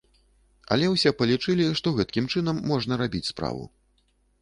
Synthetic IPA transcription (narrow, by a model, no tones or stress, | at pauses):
ɐ̰lʲɛwsʲɛpɐlʲit͡ʂɨlʲiʂt̪ɔɣɛt̪kʲimt͡ʂɨnɐmːɔʐn̪ɐɾabʲit͡sʲspɾa̰vṵ